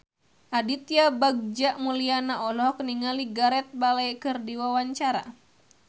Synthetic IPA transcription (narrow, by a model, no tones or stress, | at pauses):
ʔadit̪jabaɡ̚d͡ʒaʔmulianaʔɔlɔɦkniŋaliɡaɾɛt̪̚balajkɨrdiwawaɲt͡ʃaɾa̰